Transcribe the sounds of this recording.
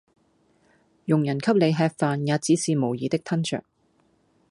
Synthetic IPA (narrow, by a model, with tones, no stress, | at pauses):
jʊ˨˩ŋjɐ˨˩nkʰɐ˥p̚le˨˧jɦɛː˧k̚faː˧njaː˨˧t͡siː˧siː˨˧mo˨˩wjiː˨˧t̪ɪ˥k̚t̪ʰɐ˥nt͡ʃœ̰ː˨˩k̚